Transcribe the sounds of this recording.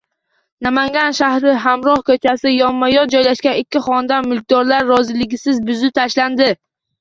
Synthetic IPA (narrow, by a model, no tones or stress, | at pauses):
namaŋɡʲanʃahɾɪɦamɾɒhkʰɵt͡ʃʰasɪjɒmːajɒd͡ʒɒjlaʃkʲanɪkʲʰːɪχɒnd̪anmʊlˠk̚ʲd̪ɒɾlaɾːɒzɪlɪɡʲɪsɪzbʊzɪt̪ʰaʃland̪ɪ